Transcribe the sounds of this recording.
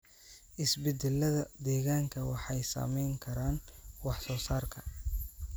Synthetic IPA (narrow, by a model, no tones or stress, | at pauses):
ʔɪsbɛd̪ɛlːɐðɐd̪ɛːɣaːŋkʰɐwɑħɑjsɐ̰mɛjŋkʰɐɾaːnwɑħsɔːsaːrkʰɐ